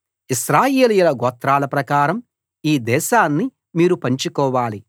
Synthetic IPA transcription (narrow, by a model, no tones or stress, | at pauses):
iʃɾaːjeːlijulɐɡɔːt̪ɾaːlɐpɾɐkaːɾɐm | iːd̪ɛːʃaːnːi | miːɾupɐɲt͡ʃukɔːʋaːli